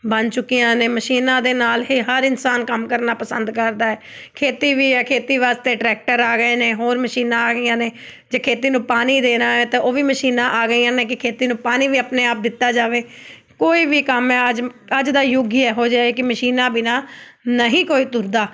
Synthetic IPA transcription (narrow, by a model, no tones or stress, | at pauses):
bənt͡ʃʊkːijãːneːməʃiːnãːd̪eːnaːlɦiːɦəɾɪnsaːnkəmkəɾnaːpəsənd̪kəɾd̪aːɛː | kʰeːt̪iːʋiːɛːkʰeːt̪iːʋaːst̪eːʈɾɛːk̚ʈəɾaːɡəeːneːɦoːɾməʃiːnãːaːɡəiːjãːneː | d͡ʒeːkʰeːt̪iːnũːpaːniːd̪eːnãːẽːt̪eoːʋiːməʃiːnãːʔaːɡəiːjãːnẽːkɪkʰeːt̪iːnũːpaːniːʋiːapneːaːp̚d̪ɪt̪ːaːd͡ʒaːʋeː | koːiːʋiːkəmɛːəd͡ʒəd͡ʒd̪aːjʊɡɛːɦoːd͡ʒaːeːkɪməʃiːnãːbɪnaːnəɦĩːkoːiːt̪ʊɾd̪aː